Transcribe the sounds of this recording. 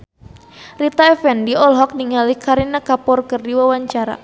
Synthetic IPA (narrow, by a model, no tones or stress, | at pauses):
rit̪aɛfɛndiɔlɦɔk̚niŋalihkaɾinakapɔrkɨrdiwawaɲt͡ʃaɾa̰